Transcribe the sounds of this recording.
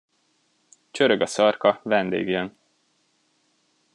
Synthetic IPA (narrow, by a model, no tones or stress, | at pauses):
t͡ʃøɾøɡɒsɒrkɒvɛnd̪ḛːɡjøn